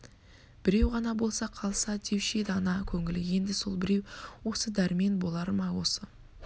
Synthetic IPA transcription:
b̥ɪɾe̞wʁɑnɑbo̞lˠsɑqʰɑlˠsɑd̪ʰe̞wʃed̪ɑnɑkʲʰɵŋɪlɪje̞nd̪ɪso̞lˠbɪɾe̞wwo̞səd̪æɾme̞nbo̞lˠɑɾmɑwo̞sə

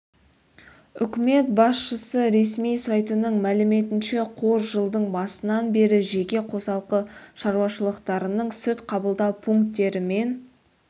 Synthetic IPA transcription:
ʏkʲɪme̞t̪̚bɑsʃəsəɾe̞smijsɑjt̪ənəɴmælɪme̞t̪ɪnʃe̞qʰo̞ɾʒəlˠd̪əɴbɑsənɑnbe̞ɾɪʒe̞kʲe̞qʰo̞sɑlˠqəʃɑɾuwɑʃəlˠəqt̪ɑɾənəɴsʏt̪qʰɑbəlˠd̪ɑwpʰuŋkt̪ːe̞ɾɪme̞n

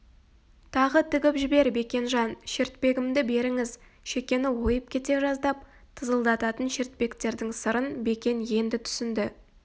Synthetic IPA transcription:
t̪ʰɑʁət̪ʰʏɡʲɪpʒɪbe̞ɾbe̞kʲe̞nʒɑnʃeɾt̪̚pe̞ɡʲɪmd̪ɪbe̞ɾɪŋɪz | ʃe̞kʲe̞nɪwo̞jəp̚kʲʰe̞t̪e̞ʒɑzd̪ɑp̚ | t̪ʰəzəlˠd̪ɑt̪ɑt̪ənʃeɾt̪̚pe̞kt̪e̞ɾd̪ɪŋsəɾənbe̞kʲe̞nje̞nd̪ɪt̪ʰʏ̥sɪnd̪ɪ

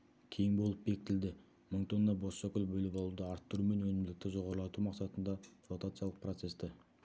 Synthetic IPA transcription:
kʲʰe̞jɪŋbo̞lˠəp̚be̞kʲɪt̪ɪld̪ɪ | məɴt̪ʰo̞nːɑbosʃɑkʲʏlbɵlɪpɑlˠud̪əɑɾt̪ːʊɾume̞nwɵnɪmlɪk̚t̪ɪʒo̞ʁɑɾəlˠɑt̪umɑqsɑt̪ənd̪ɑfot̪at̪sɨjalˠəq̚prot̪se̞st̪ɪ

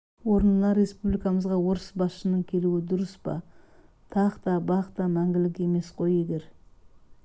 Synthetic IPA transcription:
wo̞ɾənlˠɑɾːe̞spublijkɑməzʁɑwo̞ɾəsbɑsʃənəɴkʲʰe̞luɪd̪ʊɾəspɑ̰ | t̪ʰɑqt̪ɑbɑqt̪ɑmæŋɡʲɪlɪkʲe̞me̞sqʰo̞je̞ɡʲe̞ɾ

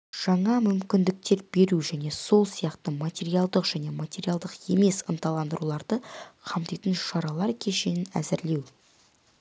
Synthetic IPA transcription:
ʒ̥ɑɴɑmʏmkʲɪnd̪ɪk̚t̪e̞ɾbe̞ɾuʒæne̞so̞lˠsijɑqt̪əmat̪ʲe̞ɾijalˠd̪əqʒ̥æne̞mat̪ʲe̞ɾijalˠd̪əqe̞me̞sənt̪ɑlˠɑnd̪əɾulˠɑɾd̪əqʰɑmt̪ijt̪ənʃɑɾɑlˠɑɾkʲʰe̞ʃe̞nɪnæ̰zɪɾle̞w

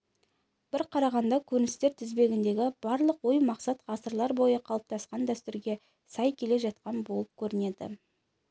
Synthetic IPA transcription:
b̥ɪɾqʰɑɾɑʁɑnd̪ɑkʲʰɵɾɪnɪst̪e̞ɾt̪ʰɪzbe̞ɡʲɪnd̪e̞ɡʲɪb̥ɑɾlˠəqwojmɑqsɑt̪ʁɑsəɾlˠɑɾbo̞jəqʰɑlˠəp̚t̪ʰɑsqɑnd̪æst̪ʏɾɡʲe̞ | sɑjkʲʰe̞le̞ʒɑt̪̚qɑnbolˠəp̚kʲʰɵɾɪne̞d̪ɪ̰

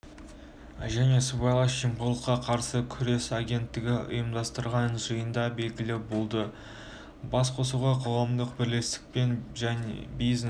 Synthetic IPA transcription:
ʒæne̞subɑjlˠɑʃʒimqolˠəqːɑqʰɑɾsəkʲʰʏɾe̞saɡʲe̞nt̪ːɪɡʲɪʊ̰jəmd̪ɑst̪əɾʁɑnʒəjənd̪ɑbe̞lɡʲɪlɪbo̞lˠd̪ə | bɑsqʰo̞suʁɑqʰoʁɑmd̪əqbɪɾle̞st̪ɪ̥k̚pe̞nʒænbiz

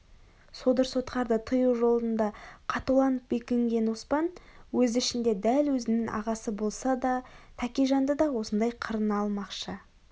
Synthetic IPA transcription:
so̞d̪əɾso̞t̪qɑɾd̪ət̪ʰəjəwʒo̞lˠdənd̪ɑqʰɑt̪ulˠɑnəp̚bekʲeŋɡʲe̞nospɑnwɵzɪʃɪnd̪e̞d̪ælwɵzɪnɪŋʔɑ̰ʁɑsəbo̞lˠsɑd̪ɑt̪ʰækʲijʒɑnd̪əd̪ɑwo̞sənd̪ɑjqʰəɾənɑlˠmɑqʃə

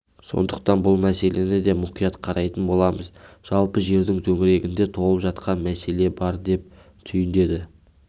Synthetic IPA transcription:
so̞̰nd̪əq̚t̪ɑnbʊlˠmæse̞lʔe̞nɪd̪e̞mʊqijɑt̪qʰɑɾʔɑjt̪ənbo̞lˠɑməzʒ̥ɑlˠpəʒe̞ɾd̪ɪŋt̪ʰɵŋɪɾe̞ɡʲɪnd̪e̞t̪ʰo̞ʁlˠəpʒɑt̪qɑnmæse̞le̞bɑɾd̪e̞p̚ | t̪ʰʏjɪnd̪e̞d̪ɪ

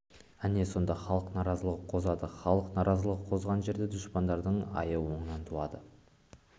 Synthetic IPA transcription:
æneso̞nd̪ɑχɑlˠəqnɑɾɑzəlˠəqʰo̞zɑd̪əχɑlˠəqnɑɾʔɑzəlˠəqʰo̞zʁɑnʒe̞ɾd̪ed̪ʊʃpɑnd̪ɑɾd̪əɴɑ̰jəwo̞ɴənɑnt̪ʰuɑd̪ə

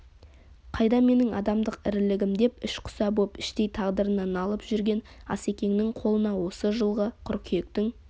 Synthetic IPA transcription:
qʰɑjd̪ɑme̞nɪŋɑ̰d̪ɑmd̪əqɪɾlɪɡʲɪmd̪e̞pɪʃqʰʊ̥sɑbopɪʃt̪e̞jt̪ʰɑʁd̪əɾənənɑlˠəpʒ̥ʏɾɡʲe̞n | ɑ̰se̞kʲe̞ŋnɪŋqʰo̞lˠənɑwo̞səʒəlˠʁəqʰʊɾkʲʰje̞k̚t̪ɪŋ

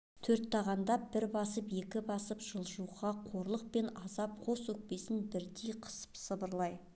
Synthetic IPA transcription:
t̪ʰɵɾt̪ːɑʁɑnd̪ɑb̥ɪɾbɑsəpe̞kʲɪbɑsəpʒ̥əlˠʒuʁɑqʰo̞ɾlˠəq̚pe̞nɑzɑp̚qʰo̞swɵk̚pe̞sɪnbɪɾd̪ejqʰə̥sə̥psəbəɾlˠɑj

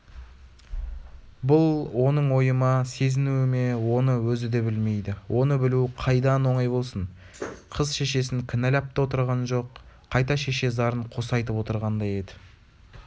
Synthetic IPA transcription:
bʊlˠwo̞nəɴwo̞jəmɑse̞zɪnuɪme̞wo̞nəwɵzɪd̪e̞bɪlme̞jd̪ɪwʔo̞nəbɪluqʰɑjd̪ɑnwo̞ɴɑjbo̞lˠsən | qʰəzʃe̞ʃe̞sɪŋkʲʰɪnælɑp̚t̪ɑwo̞t̪əɾʁɑnʒo̞qʰː | ɑjt̪ɑʃe̞ʃe̞zɑɾəɴqʰo̞sɑjt̪əpwo̞t̪əɾʁɑnd̪ɑje̞d̪ɪ̥

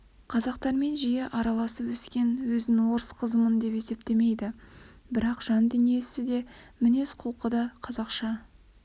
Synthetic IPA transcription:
qʰɑzɑqt̪ɑɾme̞nʒije̞ʔɑɾɑlˠɑsəpwɵskʲe̞nwɵzɪnwo̞ɾəsqʰəzəmənd̪e̞pe̞se̞p̚t̪e̞me̞jd̪ɪbɪɾɑqʒ̥ɑnd̪ʏnije̞sɪd̪e̞mɪne̞sqʰolˠqəd̪ɑqʰɑzɑqʃɑ

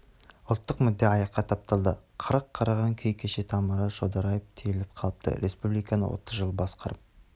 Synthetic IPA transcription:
ʊlˠt̪ːəqmʏd̪ːeɑjɑqːɑt̪ʰɑp̚t̪ɑlˠd̪əqʰəɾəqʰːɑɾɑʁɑŋkʲʰejkʲʰeʃet̪ʰɑmɑɾɑt̪ʒod̪ɑɾɑjəft̪ʰejlɪp̚qʰɑlˠəp̚t̪ə̰ɾespublijkɑnə̰wʔo̰t̪əzʒəlˠbɑsqɑɾəp̚

